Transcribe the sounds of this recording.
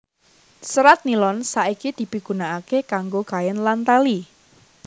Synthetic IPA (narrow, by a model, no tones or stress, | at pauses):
səɾat̪̚nilɔnsaʔikid̪̥i̤biɡ̥ṳnaakekaŋɡokajənlant̪ali